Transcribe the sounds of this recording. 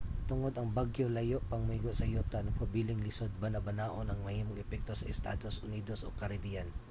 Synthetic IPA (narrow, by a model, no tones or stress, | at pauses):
t̪ʊŋo̞d̪ɐŋbaɡjolɐjo̞ʔpɐŋmʊiːɡosɐjot̪ɐnɐpʰɐbiːlɪŋlɪsod̪̚bɐnɐbɐnaːʔonɐŋmɐhiːmoŋɛpɛk̚t̪o̞sɐʔɛst̪a̰ːd̪o̞sʊniːd̪o̞sʔo̞̰kɐɾɐbijɐn